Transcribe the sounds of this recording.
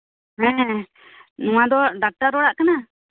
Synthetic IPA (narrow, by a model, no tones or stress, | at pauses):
ɦɛ̃ | nũãd̪ɔɖak̚ʈaɾɔɽaʔkana